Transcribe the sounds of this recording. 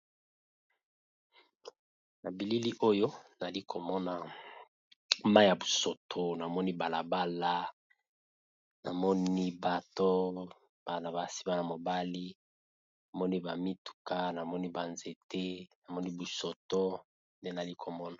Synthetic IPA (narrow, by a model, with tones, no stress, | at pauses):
na˨bi˨li˦li˦ʔo˦jo˦na˨li˦kʰo˨mɔ˦na˨ | ma˦ja˨bu˨so˨tʰo˦na˨mɔ˦ni˦ba˨la˨ba˦la˦ | na̰˨mɔ˦ni˦ba˨to˦ | b̥a˨na˨ba˨si̥˦ba˨na˨mo˨ba˦li˦ | na˨mɔ˦ni˦ba˨mi˦tu̥˨ka˦na˨mɔ˦ni˦ba˨nze˨te˦na˨mɔ˦ni˦bu˨sɔ˨to˦ | nde˦na˨li˦kʰo˨mɔ˦na˨